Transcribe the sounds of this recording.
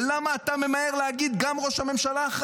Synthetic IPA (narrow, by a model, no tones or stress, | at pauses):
lamaːt̪ame̞mae̞ʁleaɡid̪ɡamʁo̞ʃhame̞mʃalaːχ